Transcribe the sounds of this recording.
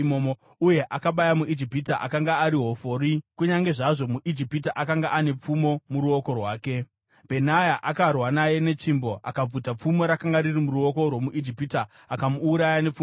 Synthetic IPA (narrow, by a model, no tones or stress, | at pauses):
momo | uje̞ʔakaɓajamuʔid͡ʒipitaʔa̰kaŋɡaːɾiɦo̞fo̞ːɾikuɲaŋɡe̞ʐaʐo̞muʔid͡ʒipitaʔakaŋɡaʔane̞p͡fumo̞muɾuo̞ko̞rwaːke̞ | b̥ʱe̞najaʔakarwanaje̞ne̞t͡ʂimbo̞ʔa̰kab͡vutap͡fumo̞ɾakaŋɡaɾirimuɾuo̞ko̞rwo̞muʔid͡ʒipita | akamuːɾajane̞p͡fu